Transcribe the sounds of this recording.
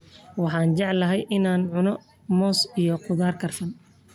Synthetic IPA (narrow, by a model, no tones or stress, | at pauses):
wɑħɑːnt͡ʃɑʕlɐɦɛjʔɪnaːnʕʊnɔ | mɔːsijɔqʊðaːrkʰɐrfɐn